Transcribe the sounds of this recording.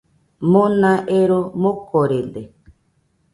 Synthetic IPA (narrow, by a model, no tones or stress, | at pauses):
mõnãʔeɾomõkoɾend̪e